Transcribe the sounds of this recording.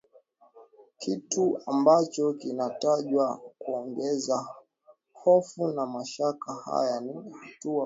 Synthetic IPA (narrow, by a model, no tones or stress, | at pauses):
kituambat͡ʃɔkinataʄwakuɔŋɡɛza | hɔfunamaʃakaha̰janihatua